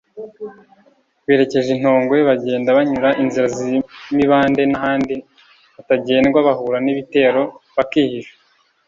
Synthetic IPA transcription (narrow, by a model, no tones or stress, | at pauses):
βeːɾe̞ce̞ʒin̥o̞ːŋɡwe̞βaɟe̞ːndaβaɲuɾaʔinziɾazimiβaːnde̞nahaːndi | βataɟe̞ːnɡwaβahuɾaniβite̞ːɾo̞βakiːhiʒe̥